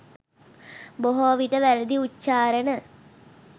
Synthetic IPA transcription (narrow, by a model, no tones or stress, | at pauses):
boɦoʋiʈəʋæɾid̪iutːt͡ʃaːɾənə